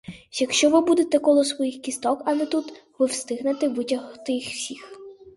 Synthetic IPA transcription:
jɐkʃt͡ʃɔʋɪbud̪et̪ɛkɔlˠɔsʋɔjixkʲist̪ɔkɐlˠɛt̪ut̪ʋɪwst̪ɪɦnet̪ɪʋɪtʲɐɦt̪ɪxfsʲix

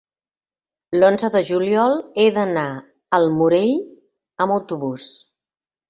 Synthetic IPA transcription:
lonzəðəʒuliɔlˠeðəna | əlˠmuɾeʎ | əməwt̪uβus

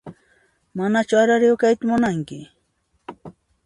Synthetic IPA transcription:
manat͡ʃʊaɾaɾɪwkajt̪amʊnaŋkɪ

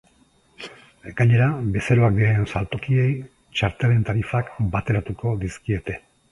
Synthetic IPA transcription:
ekaɲe̞ɾabe̞seɾo̞ak̚d̪iɾaensalt̪o̞kie̞j | t͡ʃaɾt̪ele̞nt̪aɾifakbat̪e̞ɾat̪uko̞d̪iskie̞t̪e̞

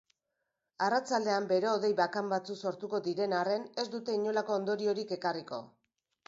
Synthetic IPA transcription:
arat͡sald̪e̞ambe̞ɾe̞oðe̞jβakambat͡sukso̞ɾt̪uko̞ðiɾe̞nare̞ne̞zd̪ut̪e̞iɲo̞lako̞ːnd̪o̞ɾio̞ɾike̞kariko̞̰

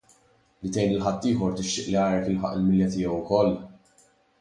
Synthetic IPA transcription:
lɪt̪ɛjnɪlħɐt̪ːɪːħɔɾt̪ɪʃt̪ɪʔliɐːɾɛkɪlħɐ̰ʔɪlmɪljɐt̪ɪjɛwʊkɔlː

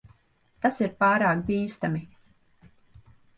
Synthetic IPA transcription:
t̪asiɾpaːɾaːkd̪iːst̪ami

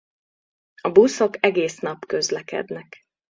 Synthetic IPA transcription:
ɒbuso̞kɛɡeːsnɒpkø̞zlɛkɛ̰d̪nɛk

